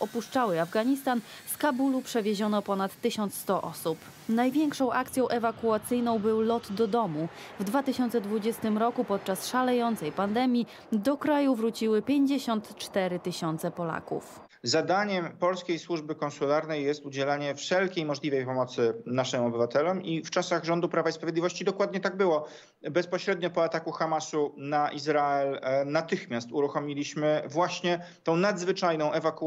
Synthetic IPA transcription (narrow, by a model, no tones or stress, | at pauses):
ɔpuʂt͡ʂawɘavɡaɲist̪anskabulupʂɛvʲeʑɔnɔpɔnat̪ːɘɕɔnt̪st̪ɔʔɔ̰sup | najvʲjɛŋkʂɔ̃w̃ʔakt̪sʲjɔ̃w̃ʔɛvakuat̪sɘjnɔ̃w̃bɘwlɔt̪d̪ɔd̪ɔmuvd̪vat̪ɘɕɔnsɛd̪vud͡ʑɛst̪ɘmɾɔkupɔt̪̚t͡ʂasʂalɛjɔnt̪sɛjpand̪ɛmʲji | d̪ɔkɾajuvɾut͡ɕiwɘpʲjeɲd͡ʑeɕɔnt̪t͡ʂt̪ɛɾɘt̪ɘɕɔnt̪sɛpɔla̰kṵf | zad̪aɲɛmpɔlskʲejswuʐbɘkɔ̃nsulaɾnɛjːɛst̪ud͡ʑɛlaɲɛfʂɛlkʲejmɔʐlʲivɛjpɔmɔt̪sɘnaʂɘmɔbɘvat̪ɛlɔmift͡ʂasaɣʐɔnd̪upɾavaispɾavjed̪lʲivɔɕt͡ɕid̪ɔkwad̪ɲɛt̪aɡ̚bɘwɔ | bɛspɔɕɾɛd̪ɲɔpɔat̪akuxamasunaʔizɾaɛlnat̪ɘxmʲjast̪uɾuxɔmʲilʲiɕmɘvwaɕɲɛ | t̪ɔ̃w̃nad̪zvɘt͡ʂajnɔ̃w̃ʔɛvak